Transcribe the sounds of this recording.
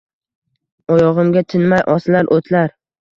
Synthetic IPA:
ɒjɒʁɨmɡʲat̪ʰɪnmajʔɒslaɾʔot̪ʰlaɾ

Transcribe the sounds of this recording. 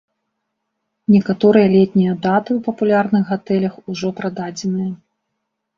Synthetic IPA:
nʲɛkat̪ɔɾɨjɐlʲɛt̪̚ʲnʲijɐd̪at̪ɨwpɐpulʲarnɨxɣat̪ɛlʲɐxuʐɔpɾad̪ad͡zʲɛnɨjɐ

